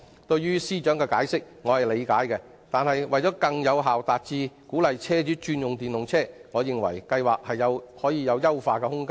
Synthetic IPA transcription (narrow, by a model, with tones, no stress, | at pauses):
t̪ɵ˧ɥyː˥siː˥t͡ʃœː˨˥ŋkɛː˧kaː˨˥jsɪ˥k̚ŋɔː˨˧hɐ˨˩jle˨˧jkaː˨˥jkɛ˧ | t̪aː˨nhɐ˨jwɐ˨jt͡ʃɔː˨˥kɐ˧ŋjɐ˨˧wɦaː˨wt̪aː˨t̚t͡siː˧kuː˨˥lɐ˨jt͡sʰɛː˥t͡ʃyː˨˥t͡ʃyː˧njʊ˨˩ŋt̪iː˨˩nlʊ˨ŋt͡sʰɛː˥ŋɔː˨˧jɪ˨ŋwɐ̰˨˩jkɐ˧jwaː˨˩k̚hɐ˨jːɐ˨˧whɔː˨˥jiː˨˧jɐ˨˧wjɐ˥wfaː˧kɛ˧hʊ˥ŋkaː˥